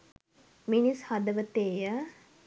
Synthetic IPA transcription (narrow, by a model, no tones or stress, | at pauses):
minishad̪əʋət̪eːjə